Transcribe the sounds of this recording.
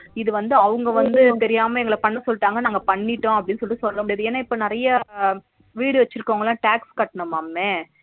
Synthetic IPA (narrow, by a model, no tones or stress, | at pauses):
ɪðɯʋɐnd̪ɯɐʋɯŋɡɐʋɐnd̪ɯt̪ɛɾɪjaːmɐɛŋɡɐɭɐpɐɳːɐsɔlːɪʈːaːŋɡɐnaːŋɡɐpɐɳːɪʈːʊ̃ɐp̬ːɐɽɪnːɯsɔlːɪʈːɯsɔlːɐɾõɐpːɐɽɪjɐðɯɛnːɐɪpːoːnɪɾɐjɐ | ʋiːɽɯʋɛt͡ʃːɪɾɯkːoːŋɡɐlːaːʈaːkskɐʈːɐɳɐmaːmeː